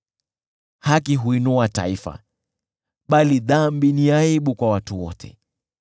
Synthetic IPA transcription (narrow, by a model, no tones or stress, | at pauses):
hakiɦuinuata̰ifa̰ | ɓaliðambiniaiɓukwawatuwɔ̰tʰɛ̰